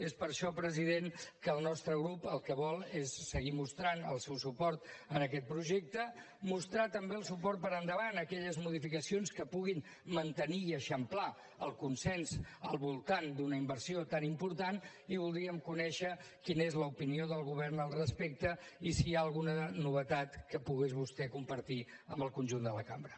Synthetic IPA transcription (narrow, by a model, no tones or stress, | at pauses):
espəɾʃɔpɾəziðenkəːlˠnɔst̪ɾəɣɾupəlˠkəβɔlˠesːəɣimust̪ɾanəlˠsɛwsupɔɾt̪ənəkɛt̪̚pɾuʒek̚t̪ə | must̪ɾat̪əmbeəlˠsupɔɾt̪̚pəɾənd̪əβanəkɛʎəzmuðifikəsionskəpuɣin | mənt̪əniːəʃəmpla | əlˠkunsɛnzəlˠβulˠt̪and̪unəimbəɾsiot̪animpuɾt̪an | iβ̞ulˠd̪ɾiəmkunɛʃə | kinezləupinioðəlˠɣuβ̞ɛɾnəlˠrəspek̚t̪əisiaəlˠɣunənuβət̪at̪kəpuɣezβust̪ɛkumpəɾt̪iəmbəlˠkunʲʒund̪ələka̰mbɾə